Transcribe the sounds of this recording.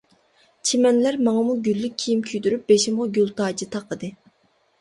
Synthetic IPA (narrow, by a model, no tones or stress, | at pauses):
t͡ʃʰemɛnlæɾmɑŋɑmuɡʲylːyk̚ʲʰːijimkʲʰyd̪yɾyp̚b̥eʃimʁɑɡʲylˠt̪ʰɑːd͡ʒit̪ʰɑqəd̪ɨ